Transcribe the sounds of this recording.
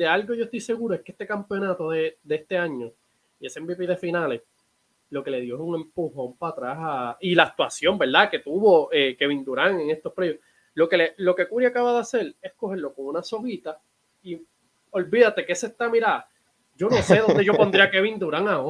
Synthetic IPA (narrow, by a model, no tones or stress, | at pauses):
d̪ealɡokʝost̪ojse̞ɣuɾoehkest̪e̞kampeo̞nat̪o̞ðed̪eest̪e̞aɲo̞ | ie̞sembipiðe̞finale̞s | lo̞ke̞le̞ðjo̞esuŋe̞mpuhoaumpat̪ɾasailaːk̚t̪wasjo̞mbe̞ɾðake̞t̪uβo̞ʔeke̞βind̪uɾaŋe̞ŋe̞st̪ohpɾeβjoh | lo̞ke̞lelo̞ke̞kuɾjakaβaðease̞le̞sko̞ɦe̞ɾlo̞ko̞ŋunaso̞hit̪a | i | o̞lbiðat̪e̞kesest̪amiɾa | d͡ʒo̞no̞se̞ðo̞nd̪eʝo̞po̞nd̪ɾiakeβind̪uɾaŋao